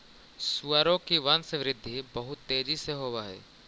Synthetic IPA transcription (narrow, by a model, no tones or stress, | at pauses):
suaːɾõkiʋansəʋɾɪd̪ʱːibɐɦʊt̪ːeːd͡ʒiseɦoːʋaːɦɛ̰ː